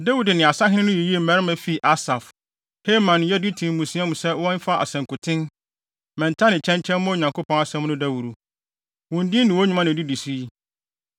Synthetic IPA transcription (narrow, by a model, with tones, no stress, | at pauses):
da˦wu˨dnɪ̃˨a˨sa˦ɦɪ̃˦nɪ̃˦nʊ̃˦ji˨ji˦e˦˨mɛ˦ɾɪ˦mæ̃˨fi˦˨ʔa˦sa˨f | he˦mã˨n˨jɛ˦di˦tʰĩ˨m˨mũ˨sĩ˨˦ã˦mũ˨sɛ˦wɔ̃˦m̩˦fa˦ʔa̰˨sɛ̃˨ŋkʊ˨tʰɪ̃˦n | mɛ̃˨ntʰa˦nɪ̃˨t͡ɕʰɛ̃˦ɲt͡ɕʰɛ̃˦n˦mʊ̃˦˨ɲã˨ŋkʰo˦pʰɔ̃˦na˨sɛ̃˦mnʊ̃˦da˦wu˨ɾu˨ | wɔ̃˨ndɪ˦nɪ̃˨wɔ˦ɲũ˨˦mã˦nɪ̃˨di˦di˨si˦i˦